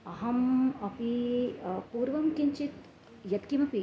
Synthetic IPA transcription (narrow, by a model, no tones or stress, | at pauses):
ɐɦɐmɐpi | puːɾʋɐmkiɲt͡ʃit̪ | jɐt̪kimɐpi